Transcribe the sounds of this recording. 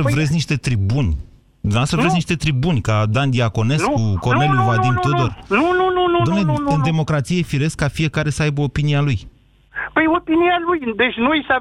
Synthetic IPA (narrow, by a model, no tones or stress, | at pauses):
əvɾet̪sʲniʃt̪e̞t̪ɾibunʲ | asəvɾesniʃt̪e̞t̪ɾibunʲkad̪and̪iako̞ne̞kuko̞neljuvad̪imod̪onunununud̪amneɨnd̪e̞mo̞kɾat̪sijefiɾe̞skːafie̞kaɾe̞səajbəopinialuj | pəjopinialujd̪et͡ʃnujsa